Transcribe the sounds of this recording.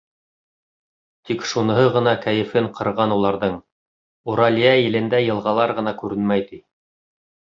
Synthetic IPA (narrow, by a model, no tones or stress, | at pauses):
t̪ikʃunɤ̆ɦɤʁɤ̆nɑkæjɘ̆fɘɴqʰɤ̆ɾʁɑnulˠɑɾðɤɴ | uɾɑlʲijæjɘ̆lɘ̆nd̪æjɤ̆lˠʁɑlˠɑɾʁɤ̆nɑkʉɾɘnmæjt̪i